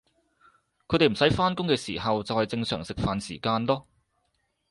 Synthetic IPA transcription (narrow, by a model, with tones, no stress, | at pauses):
kʰɵ˨˧˥t̪e˨m̩˨˩sɐ˨˥jfaː˥nkʊ˥ŋkɛː˧sḭː˨˩hɐ˨wt͡sɐ˨whɐ˨jt͡sɪ˧ŋsœː˨˩ŋsɪ˨k̚faː˨nsḭː˨˩kaː˧nlɔː˥